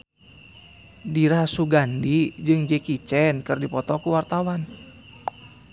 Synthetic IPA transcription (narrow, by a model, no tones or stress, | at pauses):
diɾasuɡandid͡ʒɨŋd͡ʒɛkit͡ʃɛnkɨrdipɔt̪ɔkuwart̪awan